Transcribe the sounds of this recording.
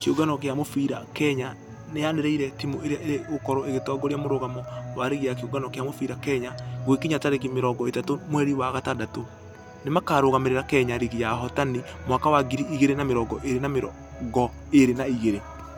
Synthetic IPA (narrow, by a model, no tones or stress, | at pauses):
keoɡanɔkeamofiɾakɛɲa | neaneɾɛiɾɛtimoeɾeaʔeɾeokɔɾɔeɣetɔɡɔɾjamoɾoɣamɔwaɾeɣijakeoɡanɔkeamofiɾakɛɲaɣwekeɲataɾek̬imeɾɔɡɔetatomwɛɾiwaɣatadato | nemakaɾoɣameɾeɾakɛɲaɾiɣijaɦɔtanimwakawaɡiɾiiɣeɾenameɾɔɡɔʔeɾenameɾɔ | ɡɔ | eɾenaiɣeɾe